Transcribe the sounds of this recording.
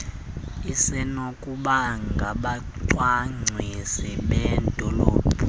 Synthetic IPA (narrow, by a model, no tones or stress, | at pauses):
isɛnokʼuɓaŋɡʱaɓa | ǀwaŋ͡ǀʱwisiɓɛndʱɔloːb̥ʱu